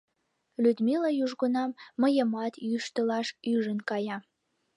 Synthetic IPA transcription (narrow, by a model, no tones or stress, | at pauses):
lyd̪milɑjuʒɣunɑmːəjə̆mɑt̪jyʃt̪əlɑʃyʒənkɑjɑ